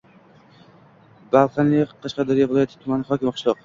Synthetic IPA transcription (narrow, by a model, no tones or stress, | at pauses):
balˠqʰaniqʰɑʃqɑd̪ɒɾijavɪlˠɒjat̪ʰɪ̥t̪ʰʊmanɪχɒkʲɪmqʰʊʃt̪ˠɒq